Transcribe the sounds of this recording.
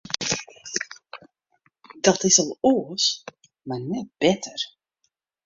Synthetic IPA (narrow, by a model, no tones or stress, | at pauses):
d̥ɑtɪsɔlˠoəs | marnɛt̚b̥ɛtʰər